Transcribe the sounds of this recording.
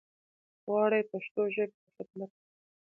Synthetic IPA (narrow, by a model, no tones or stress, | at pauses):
wɑːɽajpaʃt̪oʒəb̚əxɪd̪̚mat̪̚